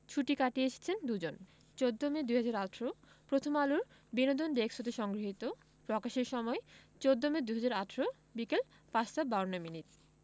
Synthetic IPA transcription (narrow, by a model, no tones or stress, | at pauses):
t͡ɕʰuʈikaʈieʃʰe̥t͡ɕʰend̪ud͡ʑon | t͡ɕod̪ːomed̪ujɦad͡ʑaɾatʰɾo | pɾot̪ʰomaluɾ | binod̪onɖ̪eksot̪eʃɔŋɡɾiɦit̪o | pɾɔkaʃeɾʃɔmɔet͡ɕod̪ːomed̪ujɦad͡ʑaɾaʈʰɾo | bikel | pat͡ɕt̪apbaonːominit̪